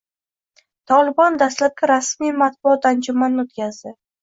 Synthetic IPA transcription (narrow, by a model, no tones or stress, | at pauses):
t̪ʰɒlˠɪbɒnd̪aslat̪̚kʲaɾasmijmat̪̚bʊt̪and͡ʒʊmanːɪot̪kʲʰazd̪ɪ